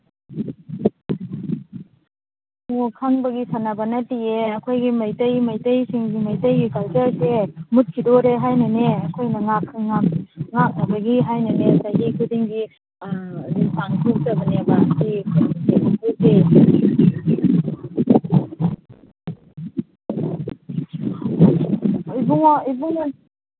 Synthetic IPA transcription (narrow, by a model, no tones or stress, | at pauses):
okʰaŋbɐɡisanabanɐtieɐkʰojɡimajtɐjmajtɐjsiŋɡimajtɐjɡikalzasemut̚kʰidɔɾeɦajnɐneɐkʰojnɐŋakŋaŋak̚nabɐɡiɦajnɐnesajɡikʰudiŋɡi | dipaŋtʰuk̚tɐbɐnebaːsikʰaisebuŋkuk̚de | ibuŋibuŋ